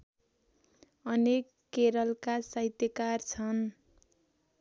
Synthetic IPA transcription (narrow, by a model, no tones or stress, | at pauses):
ʌnekːeɾʌlkasʌɦit̪jʌkart͡sʰʌn